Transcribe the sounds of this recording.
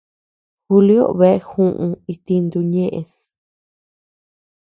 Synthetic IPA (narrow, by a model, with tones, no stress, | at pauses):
xu˧li˦o̰˦βe˧e˧hũ˦ʔũ˧i˧t̪i˧nd̪u˧ɲẽ˦ʔe˧s